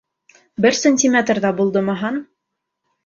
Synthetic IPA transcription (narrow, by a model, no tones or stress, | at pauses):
bɘɾsənʲtʲimʲet̪rðɑbulˠd̪ɤmɤ̆ɦɑn